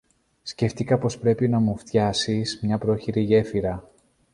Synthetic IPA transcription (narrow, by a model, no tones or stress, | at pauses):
sce̞ft̪ikɐpo̞spɾe̞pinɐmuft̪çɐsismɲɐpɾo̞çiɾiʝe̞fiɾɐ